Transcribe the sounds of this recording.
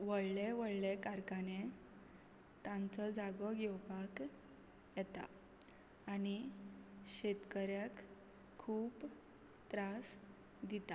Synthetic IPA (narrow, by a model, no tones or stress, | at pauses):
ʋəɭleʋəɭlekaɾkane | t̪ãnt͡sɔd͡zaɡɔɡɛwpak | jɛt̪a̰ː | ni | ɕet̪kəɾjakʰː | uːp | t̪ɾas | d̪it̪a